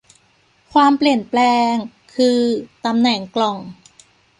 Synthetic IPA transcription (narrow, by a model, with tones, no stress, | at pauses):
kʰwaː˧mpli˨˩ənplɛː˧ŋ | kʰɯː˧t̪a˧mnɛ˨˩˦ŋklɔ˨˩ŋ